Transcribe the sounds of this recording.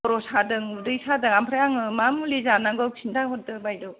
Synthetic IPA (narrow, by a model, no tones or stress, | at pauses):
ɔɾɔsadɯŋudɯjsadɯŋampʰɾajaŋɯmamulizanaɡɯsʰindaɦɔt̚dɯbajdɔ